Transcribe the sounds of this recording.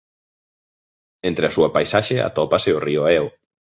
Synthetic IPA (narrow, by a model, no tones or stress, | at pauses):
ent̪ɾeasuapajsaʃea̰t̪ɔpaseorioaɛw